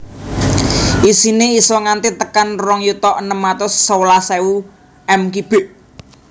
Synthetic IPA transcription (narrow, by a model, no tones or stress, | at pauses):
ʔisineisɔŋant̪it̪əkanrɔŋjut̪ɔʔənəmːat̪ʊsːowlasɛu | ʔɛmkib̥e̤ʔ